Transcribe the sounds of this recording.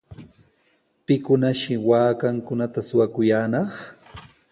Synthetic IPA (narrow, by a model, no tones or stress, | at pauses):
pɪkʊnaʃɪwaːkaŋkʊnat̪asʊwakʊjaːnɑχ